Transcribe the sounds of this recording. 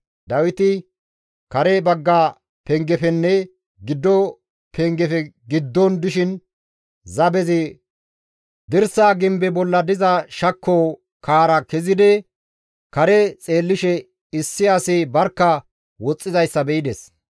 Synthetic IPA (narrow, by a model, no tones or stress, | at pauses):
d̪ɐwɪt̪ɪ | kɐɾɛbɐɡːa | pɛŋɡɛfɛnːɛ | ɡɪd̪ːɔ | pɛŋɡɛfɛɡɪd̪ːɔnd̪ɪʃɪn | zɐbɛzɪ | d̪ɪɾsaːɡɪmbɛbɔlːɐd̪ɪzɐʃɐkːoː | kaːɾɐkɛzɪd̪ɛ | kɐɾɛt͡sʼe̞ːlːɪʃɛ | ɪsːɪɐsɪbɐɾkːɐ | wɔt͡sʼːɪzɐjsːɐbɛʔɪd̪ɛs